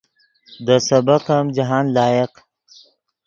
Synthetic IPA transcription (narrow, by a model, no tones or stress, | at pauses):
d̪əsɐbɐqɐmd͡ʒɐɦaːnlɑːjeq